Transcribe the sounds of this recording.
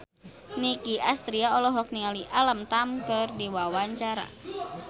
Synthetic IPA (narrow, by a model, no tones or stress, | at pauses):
nikiʔast̪ɾiaɔlɔɦɔk̚niŋaliʔaləmt̪amkɨrdiwawaɲt͡ʃaɾa̰